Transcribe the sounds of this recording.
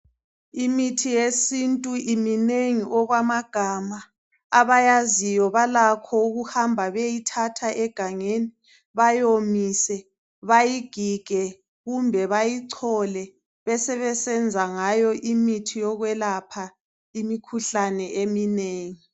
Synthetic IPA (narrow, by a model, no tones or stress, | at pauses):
imitʰijesintʼuimineŋiʔɔɣwamaɡ̥ʱamaː | βajazijɔβalakʰɔuɣuhambʱaβejitʰatʰaʔɛɡ̥ʱaŋeːni | βajomisɛ | βajiɡ̥ʱiɡ̥ʱɛ | ɣumbʱɛβajiǀʰɔlɛ | βɛsɛβɛsɛnd͡zʱaŋajɔʔimitʰijɔɣwɛlapʰa | imikʰuɬanɛʔemineːŋi